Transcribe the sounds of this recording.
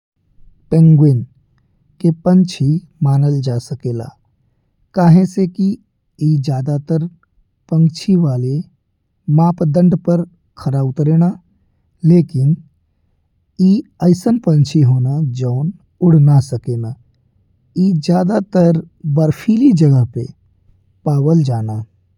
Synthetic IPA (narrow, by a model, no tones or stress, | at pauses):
pẽŋɡweːn | kepə̃nt͡ʃʰi | maːnəld͡ʒaːsəkeːla̰ː | kaːɦẽseki | iːd͡ʒjaːd̪at̪əɾ | pə̃ŋt͡ʃʰiʋaːle | mãːpd̪ə̃ɳɖpəɾ | kʰəɾabʊt̪ɾeːna | leːkɪn | iːəɪsənpə̃nt͡ʃʰiɦoːnad͡ʒəːn | ʊɽ̤nasəkeːna | iːd͡ʒjaːd̪at̪əɾ | bəɾpʰiːlid͡ʒəɡəɦpḛ | paːwəld͡ʒaːnaː